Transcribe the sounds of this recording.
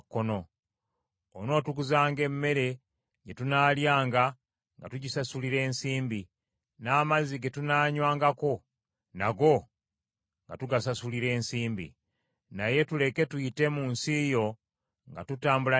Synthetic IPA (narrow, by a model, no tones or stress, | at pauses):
kːono̞ | ono̞ːtukuzaːŋɡe̞mːe̞ɾe̞ | ɟetunaːljaːŋɡa | ŋɡa̰tuɟisasuliɾe̞ːnsiːmbi | naːmaziɡe̞tunaːɲwaːŋɡako̞ | naɡo̞ | ŋɡa̰tuɡasasuliɾe̞ːnsiːmbḭ | naje̞tule̞ke̞tuite̞muːnsijo̞ | ŋɡatutaːmbula